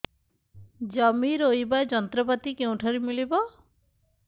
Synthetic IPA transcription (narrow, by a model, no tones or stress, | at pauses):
d͡ʒɔmiɾojbaed͡ʒɔnt̪ɾɔpat̪ikeũʈʰaɾimilibɔ